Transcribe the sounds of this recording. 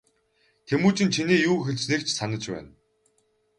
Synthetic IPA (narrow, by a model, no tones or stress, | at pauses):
t̪ʰemuːt͡ɕɪ̆nt͡ɕʰiniːjuːxeɮt͡ɕnekt͡ɕʰsanə̆t͡ɕpæ̰ːn